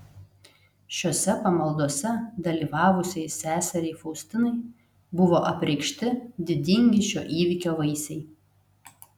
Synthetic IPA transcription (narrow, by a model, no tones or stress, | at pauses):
ʃʲoːsʲɛpɐmɐlˠd̪oɔsʲɛd̪ɐlʲiːʋɑːʋʊsʲɛɪsʲæːsʲɛɾʲɛɪfɔʊsʲt̪ʲɪnɐɪ | bʊʋoːʔɐpʲɾʲɛɪkʃʲt̪ʲɪd̪ʲɪd̪ʲɪŋʲɡʲɪʃʲo̰ːʔiːʋʲɪkʲoːʋɐɪsʲɛɪ